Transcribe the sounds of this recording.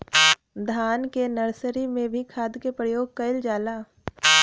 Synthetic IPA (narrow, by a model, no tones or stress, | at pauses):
d̪ʱaːnkenɐɾsəɾimẽbʱikʰaːd̪kepɾəjoːɡ̚kɐɪld͡ʒaːlaː